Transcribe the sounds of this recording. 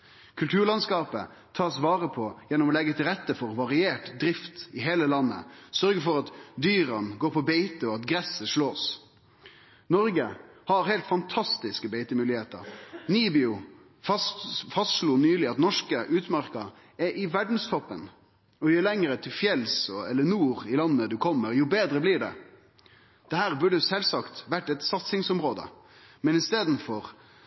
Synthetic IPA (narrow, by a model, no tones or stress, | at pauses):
kʰʉlt̪ʰʉːɾɭɑnskɑːpə̰ | t̪ʰɑːsʋɑːɾəpʰɔjɛnːɔmɔlɛɡːət̪ʰɪlɾɛt̪ːəfɔʁʋɑʁɪeːʈd̪ɾɪft̪ɪɦeːləlɑnːə̰sœɾɡəfɔɾɑt̪d̪yːʁɑnɡoːɾpʰɔbeɪt̪əɔɑt̪ɡɾɛsəʂɭoːs | nɔɾɡəhɑɾhɛɪlt̪fɑnt̪ʰɑst̪ɪskəbeɪt̪əmʉːlɪheːt̪ə̰ɾniːbɪʊ | fɑst̪ʂluːnyːlɪɑt̪nɔʂkəʔʉːt̪mɑɾkɑ | ɛʔɪʋæɖn̩st̪ʰɔpːən | ɔjəːlɛŋəɾət̪ʰɪlfjɛlsɔɛlːənuːʁɪlɑnːəd̪ʉkʰɔmːəɾjuːbeːd̪ɾəblɪɖɛ̰ | d̪̥ɛhæːʁbʉɖəsɛlsɑkt̪ʋæʈːɛt̪sɑt̪sɪŋsɔmɾoːd̪ə̰ | mɛnɪst̪eːd̪n̩fɔʁ